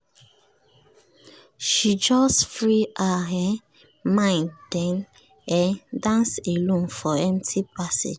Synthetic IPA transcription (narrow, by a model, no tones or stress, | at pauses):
ʃid͡ʒɔsfɹiʔaɦɛ | mãɪ̃nd̥ɛ̃n | ɛdãnselũmfɔɛmtʰipasḛd͡ʒ